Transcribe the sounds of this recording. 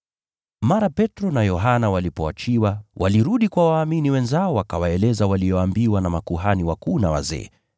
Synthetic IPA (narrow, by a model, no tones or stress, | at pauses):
maɾapɛtɾɔnajɔɦanawalipɔat͡ʃiwawʔaliɾuɗikwawaːminiwɛnzaɔwakawaɛlɛzawalijɔambiwanamakuɦaniwakuːnawa̰zɛ̰ː